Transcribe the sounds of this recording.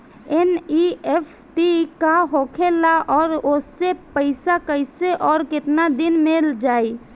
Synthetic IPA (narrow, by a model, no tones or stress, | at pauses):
eniepʰʈikaɦokʰelaʔɔːɾosepəɪsakəɪseʔɔːɾkeʈnad̪inmeld͡ʒaj